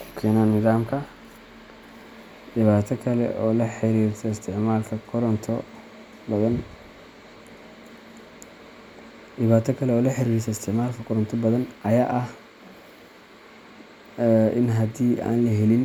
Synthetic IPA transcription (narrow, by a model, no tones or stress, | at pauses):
kʰʊ̥kʰɛːnaːnmɪðaːmkʰɐ | dɪβaːt̪ʰɐkʰɐlɛ̰ʔɔ̰ːlɐħɪɾiːɾt̪ʰɔɪst̪ʰɪʕmaːlkʰɐkʰʊɾnt̪ʰɔ | bɐðɐn | ɗɪβaːt̪ʰɐkʰɐlɛɔːlɐħɪɾiːɾɪs̬ʰɐɪst̪ʰɪʕmaːlkʰɐkʰʊɾɔnt̪ʰɔbɐðɐnʔɐjaːʔɐh | ʔɪ̰nɦɐd̪iːʔa̰ːnlɐɦɛlɪn